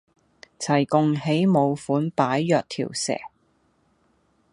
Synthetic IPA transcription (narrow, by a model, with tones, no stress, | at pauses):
t͡sʰɐ˨˩jkʊ˨˧ŋhe˨˥jmo˨˧wfuː˨˥npaː˨˥jːœː˨k̚t̪ʰḭː˨˩wsɛ̰ː˨˩